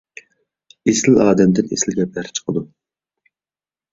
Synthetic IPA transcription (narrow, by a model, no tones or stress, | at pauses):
esɪlɑːd̪ɛmd̪ɪnesɪlɡʲɛbæɾt͡ʃʰə̥qʰəd̪u